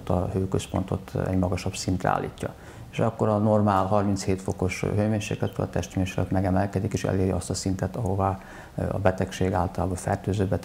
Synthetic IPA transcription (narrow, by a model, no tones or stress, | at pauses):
t̪ːɒhøːkøspont̪o̞t̪ɛ̰ɟmɒɡɒʃɒbsint̪rɛ̰a̰ːlːḭːcːɒ̰ | eʃɒkːo̞ɾɒnormaːlɦɒrmint̪sheːt̪fo̞ko̞ʃɦøjmeːɲʃḛːklɛt̪ɾø̰lɒ̰t̪ɛʃt̪meːɲʃe̥klø̰t̪mɛɡɛmɛlkɛd̪ikeːʃɛ̰leːɾjɒst̪ɒsint̪ɛt̪ɒɦo̞va | ɒ̰bɛt̪ɛkʃeːɡaːlt̪ɒlaːbɒfɛ̰rt̪øːzøːbɛt̪